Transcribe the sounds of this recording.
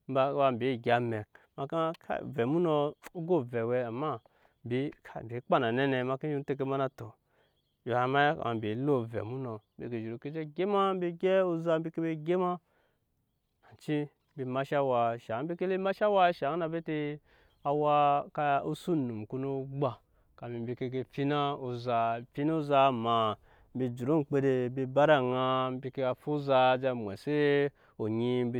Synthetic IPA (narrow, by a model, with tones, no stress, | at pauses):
m̩˦ba˨˦ba˧m̩˨bʲi˨ɡʲa˨me˨k̚ma˨ka˦kʰa̰˦˨ve˨mu˦no˧u˦ɡo˦ve˨we˨˦a˨mːa˦ | mbʲi˨˦ka˨m˨bʲi˨˦k͡pa˦na˨ne˦ne˨ma˨ki˦i˦n˦te˦k̬e˦ma˦na˦to˨ | ji˨a˨˦ma˦ja˦ka̰˨a̰˨m̩˨bʲi˨˦lo˦˨vḛ˨mu˦no˨˦bḛ˨ke˨ʒi˨ɾu˨ke˦d͡ʒe˦ɡʲe˦ma˦m˦bʲi˦ɡʲe˦u˦za˦m̩˦bi˦ke˦be˦ɡʲe˦ma˦ | a˨t͡ʃi˦ | be˧ma˦ʃa˦wa˧˨ʃa˨ŋ˦be˦ke˦le˦ma˦ʃa˦wa˦ʃa˨˦ŋ˦na˨be˦te˧ | a˨wa˧ka˧u˦su˦˨nu˨mku˧˦no˦ɡ͡ba˨ | ka˨mi˨˦bi˧ke˧ɡe˧fi˦na˦o˨za˧fi˦na˦u˦za˧˨ma˨˦ | be˨d͡ʒu˨ɾo˦˨k͡pe˧de˧be˧ba˦ɾa˦˨ŋa˧˦bi˧ke˧a˨fu˦za˧˨d͡ʒa˧mʷ˨ḛ˨se˦ | o˨ɲi˦b